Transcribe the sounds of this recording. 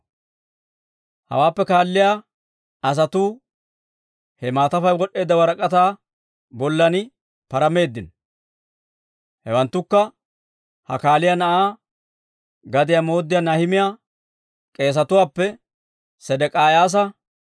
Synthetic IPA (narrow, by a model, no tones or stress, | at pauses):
hɐ̰waːpːɛkaːlːɪjaː | ɐs̬ɐt̪uː | hɛmaːt̪ɐfɐjwɔɗe̞ːd̪ːɐwɐɾɐkʼɐt̪aː | bɔlːɐnɪ | pɐɾɐme̞ːd̪ːɪn | hɛwɐnt̪ːʊkːɐ | hɐ̰kaːlɪjanɐʔaː | ɡɐd̪ɪjamo̞ːd̪ːɪjaːnɐhɪmɪja | kʼe̞ːs̬ɐt̪ʊwaːpːɛ | sɛd̪ɛkʼaːjaːs̬ɐ